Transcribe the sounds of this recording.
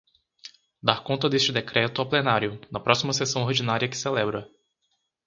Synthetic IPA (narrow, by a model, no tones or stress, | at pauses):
d̪aɾkõnt̪ɐd̪est͡ʃɪd̪ekɾɛt̪ʊawplenaɾjʊnɐpɾɔsimɐsesɐ̃w̃oɾd͡ʒinaɾiɐkɪ̥selɛbɾɐ